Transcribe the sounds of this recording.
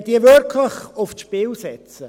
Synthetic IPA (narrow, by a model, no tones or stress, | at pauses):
d̥iəvøɾkʰləχʊfʃpɪlsɛt͡sə